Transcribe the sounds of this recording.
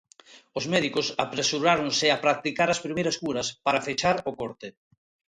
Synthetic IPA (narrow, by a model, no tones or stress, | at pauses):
ʊzmɛðikʊsa̰pɾesuɾaɾoŋsɪapɾak̚t̪ikaɾɐspɾimejɾɐskuɾɐspaɾafet͡ʃaɾokoɾt̪e